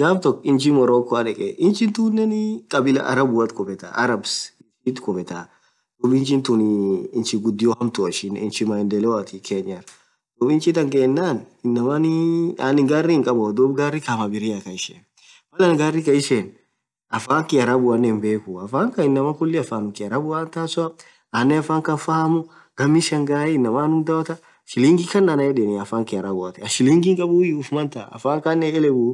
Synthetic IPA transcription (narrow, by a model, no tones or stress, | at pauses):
ɡaːmt̪ɔkːɪnt͡ʃɪmɔɾoːkːɔɐᶑɛkʼɛʔɪnt͡ʃɪnt̪uːnːɛnkʼɐbɪlɐ̰ʔɐ̰ɾɐbʊɐt̪kɔbɛt̪a̰ʔɐɾɐbsɪnt͡ʃit̪kɔfɛt̪a | d̪̥ʊbɪnt͡ʃɪnt̪ʊnɪːnt͡ʃɪɡʊd̪ːɪjɔhɐmt̪ʊɐʃɪnɪnt͡ʃɪmaɪnd̪ɛlɛwɐt̪ɪkʰeːɲːɐɾ | d̪̥ɔːbɪnt͡ʃɪt̪ɐŋkeːnːaːn | ɪnːɐmɐnɪa̰nɪŋɡaːrːiɪŋkʼɐbɔd̪ɔbɡaːrɪkɐmɐbɪɾɪɐkɐɪʃɛn | mɐlɐnɡaːrːikɐɪʃen | ɐfaːŋkɪɐɾɐbʊɐnːɛmbeːkuɐfaːŋkɐɪnːɐmɐkʊlːɪɐfaːnʊkɪɐɾɐbʊwaːnt̪aːsʊɐ | anːɛɐfaːŋkɐfɐhɐmʊ | ɡ̥ɐmːiʃɛŋɡaːjɛɪnːɐmaːnʊd̪ɐwɐt̪ɐ | ʃɪliŋɡikɐnːanɐjɛdɛnɪɐfaːŋkɪɐɾɐbʊɐt̪ɛɐʃɪliŋɡiŋkʼɐbujʊfmɐnt̪a̰ːɐ̰faːŋkanːɛɛlɛɡuː